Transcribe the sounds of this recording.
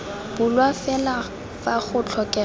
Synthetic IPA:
b̥ʊlwafɛla | faχʊt͡ɬʰɔkʼɛ

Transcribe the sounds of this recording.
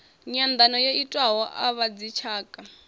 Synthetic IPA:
ɲand̪anɔjeitʼwaɦɔʔa̰βad͡zit͡ʃʰaːkʼa

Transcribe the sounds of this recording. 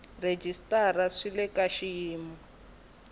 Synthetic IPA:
red͡ʒistʼaraʂilɛkaʃijiːmɔ

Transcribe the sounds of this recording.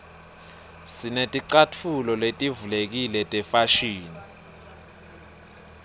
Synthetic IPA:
sinetʼiǀatʰulɔletʼivulek̬ilɛtʼɛfaʃiːni

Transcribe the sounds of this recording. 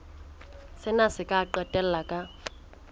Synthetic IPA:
sɪnasɪkʼaǃɛtʼɛl̩lakʼa

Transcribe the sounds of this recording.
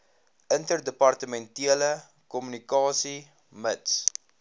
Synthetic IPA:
əntərdəpɐrtəmɛntiələ | kɔmynikɑːsi | məts

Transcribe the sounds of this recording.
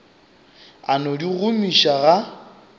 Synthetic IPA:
anodiɣʊmiʃaɣa

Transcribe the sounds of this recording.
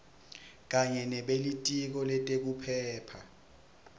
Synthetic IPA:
k̬ʼaɲɛnɛɓelitʼik̬ɔlɛtʼek̬upʰɛːpʰa

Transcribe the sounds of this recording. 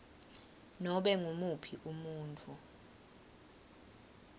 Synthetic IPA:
nɔɓɛŋumupʰiʔumuːntʰʼu

